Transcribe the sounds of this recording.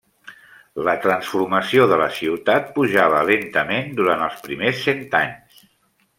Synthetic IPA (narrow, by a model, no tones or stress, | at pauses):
lət̪ɾənsfuɾməsioðələsiwt̪at̪̚puʒaβ̞əlent̪əmend̪uɾant̪əlˠspɾimesːent̪aɲs